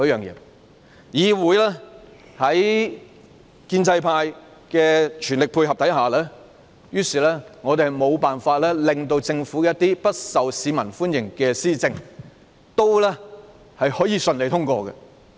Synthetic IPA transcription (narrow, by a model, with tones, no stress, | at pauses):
jœː˨˩ŋjɛ̰ː˨˧ | jiː˨wuː˨˥jlɛː˥ | hɐ˨˥j | kiː˧nt͡sɐ˧jpʰaː˧j | kɛː˧t͡ʃʰyː˨˩nlɪ˨k̚pʰuː˧jhɐ˨p̚t̪ɐ˨˥jɦaː˨˩lɛː˥ | jyː˥siː˨˩lɛː˥ŋɔː˨˧t̪e˨mo˨˧wpaː˨nfaː˧t̚lɛː˥lɪ˨ŋt̪o˧wt͡sɪ˧ŋfuː˨˥kɛ˦˥t̪iː˥pɐ˥t̚sɐ˨wsiː˨˧mɐ˨˩nfuː˥njɪ˨˩ŋkɛː˧siː˥t͡sɪ˧ŋ | t̪o˥wlɛː˥ | hɐ˨jhɔː˨˥jiː˨˧sɵ˨nle˨˧t̪ʰʊ˥ŋkʷɔ̰ː˧kɡɐ̰˧